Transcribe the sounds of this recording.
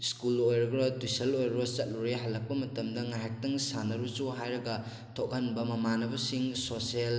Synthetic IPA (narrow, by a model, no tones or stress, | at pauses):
skulojɾɐɡɾɐtusɐlojɾɐbɐt͡ʃɐt̚luɾeɦɐlːɐk̚pɐmɐtɐmdɐŋajɦajk̚tɐŋsanːɐɾut͡ʃuɦajɾɐɡɐ | tʰok̚hɐnbɐmɐmanɐbɐsiŋsosiel